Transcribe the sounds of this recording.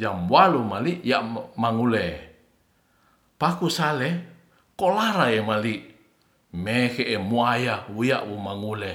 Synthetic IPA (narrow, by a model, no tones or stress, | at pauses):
d͡ʒambwalumaliʔjaʔmaŋule | pakusale | kolaɾaemaliʔ | meheʔemuajawujaʔwumaŋule